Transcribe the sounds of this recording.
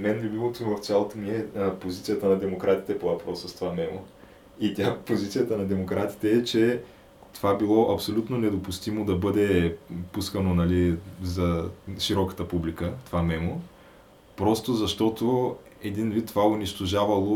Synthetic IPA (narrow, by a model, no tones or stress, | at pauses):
mɛnbibilˠot̪oimvɐft̪sʲjalˠot̪omiɛpozit̪sijət̪ənɐd̪ɛmokɾat̪i̥t̪ɛpovɐpɾɔsəst̪ovamɛmo̰ | it̪ʲapozit̪sijət̪ənɐd̪ɛmokɾʔat̪i̥t̪ɛːt͡ʃɛ | t̪ovabilˠɔʔɐpsolʲut̪nonɛd̪opʊst̪imod̪ɐbɤd̪ɛpuskənonɐlizɐʃiɾɔkə̥t̪əpublikət̪ovamɛmo | pɾɔst̪ozɐʃt̪ɔt̪o | ɛd̪invit̪ːovaʊniʃt̪oʒavɐlˠo